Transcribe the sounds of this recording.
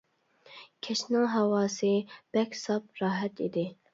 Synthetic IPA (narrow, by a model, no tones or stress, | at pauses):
kʲʰɛʃnɑɦɛwɑːsib̥ɛkʲsɑp̚ɾɑːɦɛt̪ʰḭd̪ɪ